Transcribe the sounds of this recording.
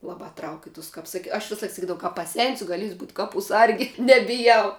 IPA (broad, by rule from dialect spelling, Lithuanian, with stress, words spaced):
ˈlˠɑːbɑː trɐʊkʲ ɪ tʊs ˈkɐps ˈsɐk ɐʃ ˈʋʲɪsɐlˠɐɪk sɐˈkʲiːdɐʋɐʊ kɐ pɐˈsʲɛnʲsʲʊ ɡɐˈlʲeːsʲʊ buːtʲ ˈkɑːpuː ˈsɐrʲɡʲɪ nʲɛbʲɪˈjɛʊ